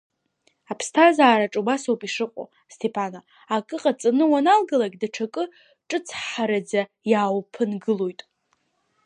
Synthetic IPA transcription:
apʰstʰazaːɾaʈ͡ʂʼubasowpʼiʂɨqʷʼo̰ | stʰepʰana | akʼɨqʼat͡sʼanɨwanalɡalaɡʲdaʈ͡ʂʰakʼɨ | ʈ͡ʂʼɨt͡sʰħaɾad͡za | jaːwpʰɨnɡɨlo̞jtʼ

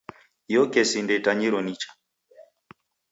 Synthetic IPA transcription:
jɔkɛsindɛtaɲiɾɔnit͡ʃḁ

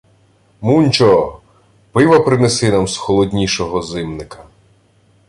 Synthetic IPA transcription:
munʲt͡ʃɔ | pɪʋɐpɾɪnesɪnamsxɔlˠɔdʲnʲiʃɔɦɔzɪmnɪkɐ̥

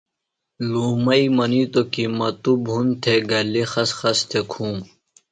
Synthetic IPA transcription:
luːmɐimɐnit̪okimɐt̪ubɦunt̪ʰeɡɐlexɐsxɐst̪ʰekʰũː

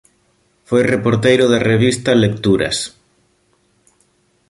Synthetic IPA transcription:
fojrepoɾt̪ejɾʊðɐreβ̞ist̪ɐlek̚t̪uɾɐ̰s

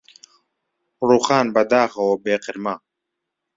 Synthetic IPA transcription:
ruːxaːnbɐd̪aːxɐwɐbeːqɨɾma

